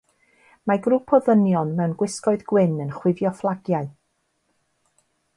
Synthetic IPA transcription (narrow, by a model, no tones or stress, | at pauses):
maɡrupʰɔðənjɔnmɛwnɡwɪskɔɨðɡ̥wɪnənχwɪvjɔflˠaɡjaɨ